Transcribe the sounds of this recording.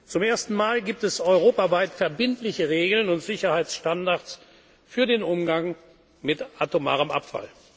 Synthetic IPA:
t͡sʊmeːɐstn̩maːlɡiːp̚tɛsɔʏʁoːpavaɪtfɛɐbɪntlɪçəʁeːɡl̩nʊntz̥ɪçɐhaɪsʃtandaɐt͡s | fyːɐdeːnʔʊmɡaŋ | mɪtʔatoma̰ːʁəmʔa̰pfa̰l

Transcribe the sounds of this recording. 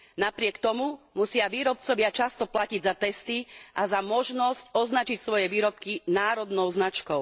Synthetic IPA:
napɾɪɛkt̪ɔmumusɪaʋiːɾɔp̚t͡sɔʋɪat͡ʃast̪ɔplaciɟzat̪ɛst̪iʔazamɔʒnɔscɔznat͡ʃicsʋɔjɛʋiːɾɔp̚kinaːɾɔd̪nɔʊznat͡ʃkɔʊ

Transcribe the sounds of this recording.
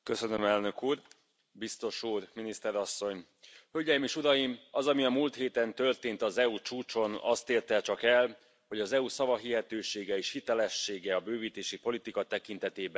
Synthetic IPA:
kø̞sø̞nømɛlnø̞kuːr | bist̪o̞ʃuːrminist̪ɛɾɒsːo̞ɲ | hølɟɛjimeːʃuɾɒjimɒzɒmiɒmuːlt̪heːt̪ɛnt̪ø̞rt̪eːnt̪ɒzɛut͡ʃuːt͡ʃo̞nɒ̰st̪eːrt̪ɛt͡ʃɒkɛl | ho̞ɟɒzɛusɒvɒɦiɦɛt̪øːʃeːɡɛeːʃhit̪ɛlɛʃːeːɡɛɒbøːviːt̪eːʃipo̞lit̪ikɒt̪ɛkint̪ɛt̪eːbɛn

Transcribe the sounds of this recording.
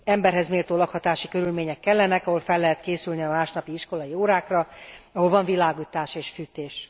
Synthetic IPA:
ɛmbɛrɦɛzmeːlt̪oːlɒkhɒt̪aːʃikø̞ɾylmeːɲɛkːɛlːɛnɛkɒɦo̞lfɛlːɛɦɛt̪keːsylniɒmaːʃnɒpiiʃko̞lɒjioːɾaːkrɒɒɦo̞lvɒɱvilaːɡit̪aːʃeːʃfyːt̪eːʃ

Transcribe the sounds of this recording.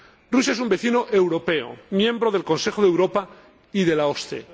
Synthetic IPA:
rus̬aes̬umbe̞θinoʔe̞wɾo̞pe̞o̰mjẽ̞mbɾo̞ðe̞lkõ̞nse̞xoðe̞wɾo̞pa | iðe̞laost̪ḛ

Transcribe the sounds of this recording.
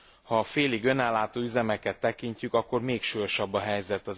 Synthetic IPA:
hɒːfeːliɡø̞nɛlːaːt̪oːyzɛmɛkɛt̪ːɛkiɲcykɒkːo̞rmeːkʃujo̞ʃɒbːɒɦɛjzɛt̪ːɒz

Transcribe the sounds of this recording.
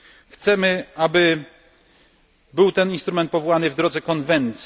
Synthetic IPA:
xt̪sɛmɘabɘ | bɘwt̪ɛninst̪ɾumɛnt̪̚pɔvɔwanɘvd̪ɾɔd̪zɛkɔnvɛnt̪sʲ

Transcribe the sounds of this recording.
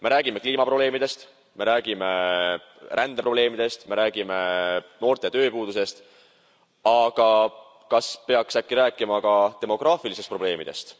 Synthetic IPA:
me̞ɾæːɡ̥ime̞kliːmɑpro̞b̥le̞ːmid̪̥e̞st̪ | me̞ɾæːɡ̥ime̞ | rʔænd̪̥epro̞ble̞ːmid̪̥e̞st̪me̞ɾæːɡ̥ime̞no̞ːrt̪e̞t̪ø̞ːpuːd̪̥use̞st̪ | ɑɡ̥ɑ | kɑspe̞ɑksækːˑiɾæːkːˑimɑkɑt̪e̞mo̞ɡ̥rɑːfilisest̪̚pro̞ble̞ːmḭd̪̥e̞̰st̪

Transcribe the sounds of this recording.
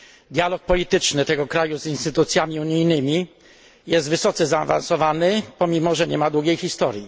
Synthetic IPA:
d̪ʲjalɔk̚pɔlʲit̪ɘt͡ʂnɘt̪ɛɡɔkɾajuzinst̪ɘt̪ut̪sʲjamʲiuɲijnɘmʲi | jɛst̪vɘsɔt̪sɛzaːva̰nsɔvanɘpɔmʲimɔʐɛɲɛmad̪wuɡʲejxist̪ɔɾji

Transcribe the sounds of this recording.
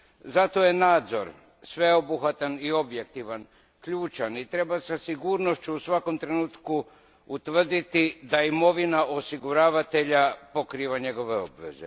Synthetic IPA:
zat̪o̞je̞naːd̪zo̞ɾ | sʋe̞obuxʋat̪anio̞bje̞kt̪iʋan | kʎuːt͡ʃanit̪ɾe̞basasiɡuːɾno̞ʃt͡ɕuːsʋako̞mt̪ɾe̞nuːt̪ku | ut̪ʋr̩d̪it̪id̪aimo̞ʋinaʔo̞siɡuɾaːʋat̪e̞ʎapokɾiːʋaɲe̞ɡo̞ʋe̞o̞bʋe̞̰zḛ

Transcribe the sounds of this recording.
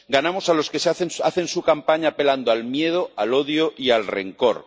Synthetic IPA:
ɡanamo̞salo̞ske̞saθe̞nsaθe̞nsukampaɲape̞land̪oalmje̞ð̞oalo̞ðjoʔialre̞̰ŋko̞̰ɾ

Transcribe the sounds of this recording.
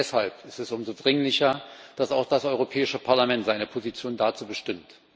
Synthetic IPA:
ɛshalpɪstɛsʔʊmzodʁɪŋlɪçɐd̥asaʊxd̥asʔɔʏʁopʰɛːɪʃəpʰaɐlamɛntz̥aɪnəpʰozit͡sjoːndat͡suːbəʃtɪmt

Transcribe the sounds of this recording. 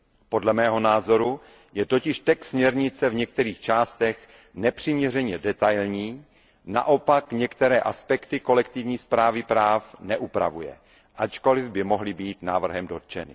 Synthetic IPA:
po̞dlɛmɛːɦo̞naːzo̞ɾu | jɛt̪o̞cɪʃt̪ɛksmɲɛɾɲɪt͡sɛvɲɛk̚t̪ɛɾiːxt͡ʃaːst̪ɛx | nɛpr̝̥ɪmɲɛrɛɲɛdɛt̪ajlɲiː | na̰ʔo̞pakɲɛkt̪ɛɾɛːʔaspɛkt̪ɪko̞lɛk̚t̪ɪvɲiːspɾaːvɪpɾaːfnɛʔupɾa̰vujɛ̰ | ʔat͡ʃko̞lɪvbɪmo̞ɦlɪbiːt̪naːvr̩ɦɛmdo̞t̪̚t͡ʃɛnɪ̰

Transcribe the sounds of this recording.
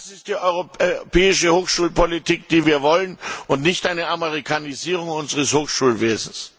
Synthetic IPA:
asɪst̚d̥iːʔɔʏʁopɛːɪʃəhoːxʃuːlpolitʰiːk̚d̥iːviːɐvɔlənʔʊntnɪçtʔaɪnəamɛʁ̞ikʰaniziːʁ̞ʊŋʊnzəʁəshoːxʃuːlveːzn̩s

